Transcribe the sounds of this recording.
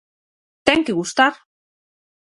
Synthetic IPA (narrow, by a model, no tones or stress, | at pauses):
t̪eŋkiɣust̪aɾ